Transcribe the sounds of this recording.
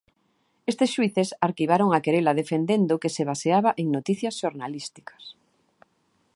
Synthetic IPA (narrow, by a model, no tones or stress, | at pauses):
est̪eɪsʃwiθesaɾkiβ̞aɾoŋakeɾelaðefend̪end̪ʊkeseβaseaβaʔeŋnot̪iθjɐsʃoɾnalist̪i̥kɐ̥s